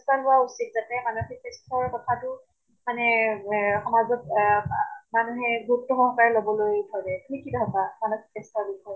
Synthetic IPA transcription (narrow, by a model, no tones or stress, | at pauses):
staɦʊausik̚zatɛmanuxitɛstʰɔɹkɔtʰatʊ | manɛ | xɔmazɔt̚ | manuɦɛɡʱutːɔxɔŋkaɹɛlobɔlojtʰɔɹɛtʰikidʱatamanuxi̥kɛstɔbikʰɔɹ